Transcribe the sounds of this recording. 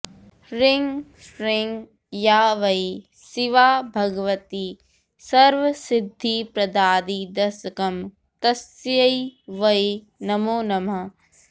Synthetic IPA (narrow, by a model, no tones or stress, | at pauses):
ɾɪŋɡ | ʃɾɪŋɡ | jaːʋɐj | siʋaːbʱɐɡɐʋɐt̪iː | sɐɾʋɐsɪd̪ʱːipɾɐd̪aːd̪id̪ɐɾsɐkɐm | t̪ɐsjɐjʋɐi | nɐmoːnɐmɐ